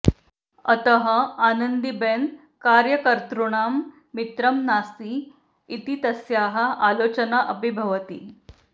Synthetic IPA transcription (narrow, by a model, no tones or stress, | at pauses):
ə̰t̪əɦəaːnənd̪iben | kaɾjɐkəɾt̪ɾuɳ̃aːmː | it̪ɾɐmnaːst̪iː | t̪it̪ɐsjaːɦɐʔalot͡ɕənaʔəbʱibʱɐʋət̪ḭː